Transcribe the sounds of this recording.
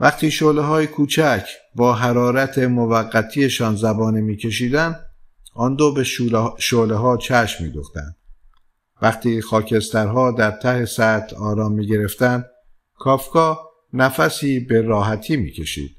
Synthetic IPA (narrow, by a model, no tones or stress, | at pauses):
væχt̪iːʃoːleɦɒːjekʰuːt͡ʃʰæcʰbɒːɦæɾɒːɾæt̪ʰemovæɣːæt̪ʰijeʃɒːnzæbɒːnimiːcʰe̞ʃ̬iːd̪ænd̪ | ɒnd̪obeʃoːleɦɒːt͡ʃʰæʃmːḭːd̪ṵχt̪æ̰nd̪̥ | væχt̪ʰiːxɒːcʰe̞st̪æɾɦɒːd̪æɾt̪ʰæhe̞sæt̪ʰɒːɾɒːmːiːɟe̞ɾe̞ft̪ænd̪ | kʰɒːfkɒː | næfæsiːbe̞ɾɒːɦæt̪ʰiːmḭːcʰe̞ʃḭːd̪̥